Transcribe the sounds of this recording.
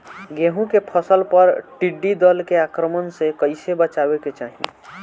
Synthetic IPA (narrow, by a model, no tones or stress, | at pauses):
ɡeɦũkepʰəsəlpəɾʈiɖid̪əlkeakɾəmənsekəɪsebət͡ʃabeket͡ʃaːɦḭ̃